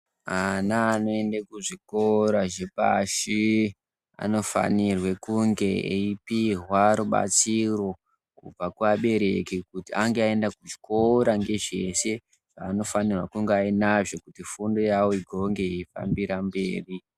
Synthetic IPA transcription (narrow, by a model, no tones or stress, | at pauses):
anaːno̞e̞ndekuʐikoɾaʐepa̰ʃi | a̰no̞fa̰nirwe̞kuŋɡe̞ḛipiɦwaɾuɓa̰t͡siro̞ | kṵb͡vakuaɓe̞ɾe̞kikutiaŋɡeae̞ndakuʐi̥ko̞ɾaŋɡe̞ʐe̞se̞ | ʐ̥aːno̞fanirwakuŋɡeainaʐo̞kutifundo̞jawoiɡʱo̞ŋɡe̞ifa̰mbiɾambḛːri